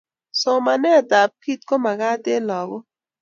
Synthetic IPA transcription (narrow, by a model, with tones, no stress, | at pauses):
sɔ˨ma˨nɛ˦˨da˨p̚ki˦t̪̚kɔ˦ma˨ɣa˦de˦lɔ˨ɣɔ˦